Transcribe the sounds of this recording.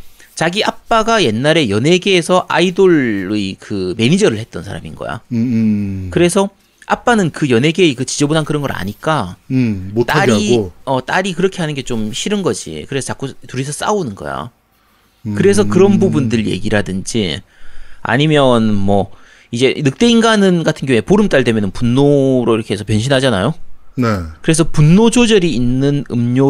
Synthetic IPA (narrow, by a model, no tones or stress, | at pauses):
t͡ɕaɡiap͈aɡaje̞nːaɾe̞jʌnɦe̞ɡesʰʌʔaidoɭɯikɯme̞ɲid͡ʑʌɾɯɭhe̞t̚t͈ʌnsʰaɾa̰mḭnɡʌ̰ja̰ | kɯɾe̞sʰʌ | ʔap͈anɯnkɯjʌnɦe̞ɡekɯt͡ɕid͡ʑʌbonɦankɯɾʌnɡʌɾa̰ɲik͈a | t͈aɾiʌt͈aɾikɯɾʌkʰe̞ɦanɯnɡe̞t͡ɕomɕʰiɾɯnɡʌd͡ʑḭkɯɾe̞sʰʌt͡ɕak͈otuɾisʰʌs͈a̰unɯnɡʌ̰ja̰ | kɯɾe̞s̬ʰʌkɯɾʌnbubundɯɭje̞̰ɡiɾadɯnd͡ʑḭ | a̰ɲimjʌnmwʌ | id͡ʑe̞nɯk̚t͈e̞inɡanɯnɡatʰɯnɡjʌɦũepoɾɯmt͈aɭdemjʌnɯnpunːoɾoiɾʌkʰeesʰʌpjʌnɕʰinɦad͡ʑanajonkɯɾe̞sʰʌpunːod͡ʑod͡ʑʌɾiinːɯnɯmɲo